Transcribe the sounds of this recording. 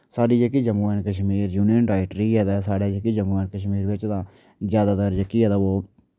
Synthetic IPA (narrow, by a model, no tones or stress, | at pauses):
saːɖiːd͡ʒekiːd͡ʒəmuːɛːnkəʃ̬miːɾjuːnɪjənɾaːɪʈɾiːɛːd̪ɛːsaːɖeːd͡ʒekiːd͡ʒəmuːɛːnkəʃ̬miːɾʋɪt͡ʃd̪ãː | zjaːd̪aːt̪əɾd͡ʒəkiːɛːd̪aːoː